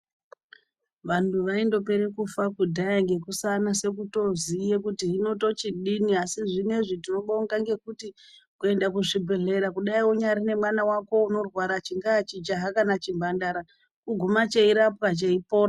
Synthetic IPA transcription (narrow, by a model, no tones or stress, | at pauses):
ʋantuʋaindo̞pe̞ɾe̞kufakudʱajaŋɡe̞kusanase̞k̬uto̞zijekutiɦino̞to̞t͡ʃiɗiniasiʐine̞ʐitino̞ɓouŋɡaŋɡe̞kuti | kue̞ndakuʐibʱe̞ɮe̞ɾakuɗaiwoɲaɾine̞mwanawako̞uno̞rwaɾat͡ʃiŋɡaːt͡ʃid͡ʒaɦakanat͡ʃimbʱandaɾa | kuɡʱumat͡ʃeiɾap̚kat͡ʃeipoːra